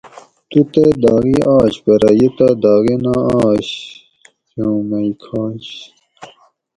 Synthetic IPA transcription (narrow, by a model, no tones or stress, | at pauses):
t̪ut̪ed̪ɑːɣiʔaːɕbɐɾɐjit̪ad̪ɑːɣinaaːɕ | omɐikʰaːɕ